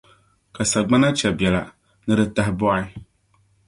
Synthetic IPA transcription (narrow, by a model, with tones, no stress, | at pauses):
ka˨sa˨ɡ͡ba˦na˦t͡ʃɛ˨bjɛ˨la̰˨ | nɨ˦ɾɨ˦ta˦ɦɪ˦bɔ˦ɪ˦